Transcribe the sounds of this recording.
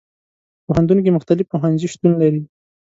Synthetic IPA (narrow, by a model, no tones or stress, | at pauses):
poɦant̪unk̬emʊxt̪alɪfpoɦanziʃt̪unlaɾi